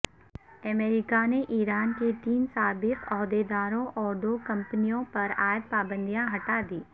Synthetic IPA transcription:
əmeːɾɪkaneʔiːɾaːnket̪iːnsaːbɪtʰɔːɦd̪ed̪aːɾõʔɔːɾd̪oːkɐ̃mpənijõpɐɾaːəd̪̚paːbə̃nd̪ʱijãɦɐʈaːd̪iː

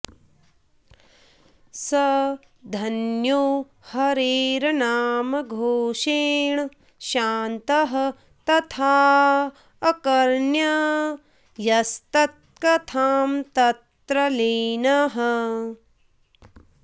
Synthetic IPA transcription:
sɐ | d̪ʱɐnjoː | hɐɾiːɾɐnaːmɐɡʱoːʃeːɳ | ʃaːnt̪ɐɦɐ | t̪ɐt̪ʰaː | kɐɾɳjɐ | jɐst̪ɐt̪̚kɐt̪ʰaːmt̪ɐt̪ɾɐliːnɐɦɐ

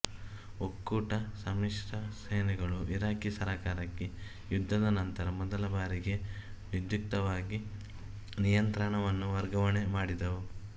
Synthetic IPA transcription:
okːuːʈɐsɐmiʂɾɐsɐjnɛɡɐɭuʔiɾaːkisɐɾaːkaːɾɐkːe | jud̪ʱːɐd̪ɐnɐnt̪ɐɾɐmɔd̪ɐlɐbaːɾiɡe̞ʋud̪juk̚t̪ɐʋaːɡi | nijɐnt̪ɾɐɳɐʋɐnːuʋɐɾɡɐʋɐɳemaːɽid̪ɐʋu

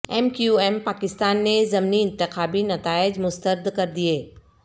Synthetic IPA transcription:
ɛmkjuɛːmpaːkɪst̪aːnːezɐmniɪ̃nt̪ɪxaːbinɐt̪aːɪd͡ʒmʊst̪əɾd̪kɐɾd̪ieː

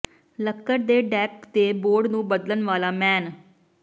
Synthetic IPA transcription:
ləkːəɾd̪eːɖɛːp̚t̪eːboːɾɖnũːbəd̪ələnʋaːlaːmɛːn

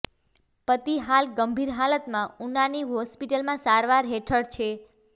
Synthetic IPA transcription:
pət̪iɦalɡəmbʱiɾɦalət̪mãunaniɦɔspiʈəlmãsaɾʋaɾɦeʈʰəɽt͡ʃʰe

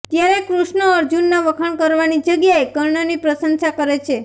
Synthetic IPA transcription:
t̪jaɾekɾuʃɳəəɾd͡ʒunːaʋəkʰəɳkəɾʋanid͡ʒəɡjaekəɾɳonipɾəsənsakəɾet͡ʃʰe

